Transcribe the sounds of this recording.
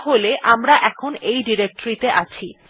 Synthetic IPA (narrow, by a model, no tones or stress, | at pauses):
ɦoleʔamɾaʔɛkʰonejɖiɾek̚ʈoɾit̪eʔat͡ɕʰi